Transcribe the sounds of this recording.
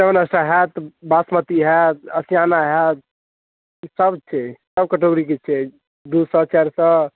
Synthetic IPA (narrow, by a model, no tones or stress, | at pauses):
eʋənəsʈaɦɛt̪basmət̪iɦɛt̪əsijanaɦɛt̪̚ | səbt͡ʃʰɛsəb̚kəʈoɡɾik̬et͡ʃʰɛ | d̪usət͡ʃɛɾsə̃